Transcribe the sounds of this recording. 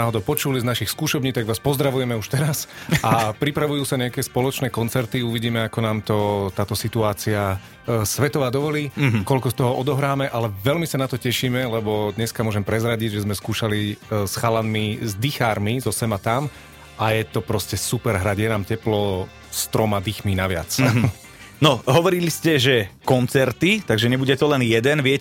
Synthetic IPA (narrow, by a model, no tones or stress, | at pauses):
aːɦɔd̪ɔʊpɔt͡ʃuliznaʃixskuːʃɔbɲiːt̪aɡʋaːspɔzd̪ɾaʋujɛmɛuʃt̪ɛɾasapɾipɾaʋujuːsaɲɛakɛːspɔlɔt͡ʃnɛːkɔnt͡sɛɾt̪iuʋiɟiːmɛakɔnaːmt̪ɔt̪aːt̪ɔsit̪uaːt͡sia | sʋɛt̪ɔʋaːd̪ɔʋɔliːkɔlkɔst̪ɔɦɔʔɔd̪ɔɦɾaːmɛʔalɛʋɛlmisanat̪ɔcɛʃiːmɛlɛbɔd̪ɲɛskamʊɔʒɛmpɾɛzɾaɟiɟʒɛzmɛskuːʃalisxalanmizd̪ixaːɾmizɔsɛmat̪am | ajɛt̪ɔpɾɔscɛsupɛɾɦɾaɟjɛnaːmcɛplɔ | st̪ɾɔmad̪ixminaʋɪa̰t͡s | nɔɦɔʋɔɾiliscɛʒɛkɔnt͡sɛɾt̪it̪aɡʒɛɲɛbuɟɛt̪ɔlɛnjɛd̪ɛnʋɪɛc